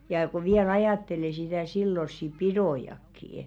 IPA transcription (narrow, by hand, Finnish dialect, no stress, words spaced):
jɑˑ ko ʋiæl ɑjɑˑtːele sitæˑ silːosːi pidoˑjɑkːiː